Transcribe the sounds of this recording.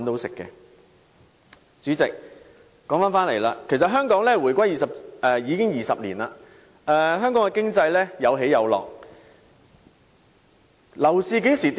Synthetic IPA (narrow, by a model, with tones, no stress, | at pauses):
nt̪o˧˥wsɪ˨kːɛ̰˧ | t͡syː˨˥t͡sɪ˨k̚ | kːɔː˨˥ŋfaː˥nfaː˥nle˨˩jla̰ː˧kʰe˨˩jsɐ˨t̚ɦœː˥ŋkɔː˨˥ŋlɛː˥wuː˨˩jkʷɐ˥jiː˨˩sɐ˨˩p̚ɛː˨˧jiː˨˧kɪ˥ŋjiː˨sɐ˨p̚liː˨˩naː˧ | ʔɛ˨˧ɦœː˥ŋkɔː˨˥ŋkɛ˧kɪ˥ŋt͡sɐ˧jlɛː˥jɐ˨˧wɦe˨˥jɐ˨˧wlɔ̰ː˨k̚ | lɐ˨˩wsiː˨˧ke˨˥siː˨˩t̪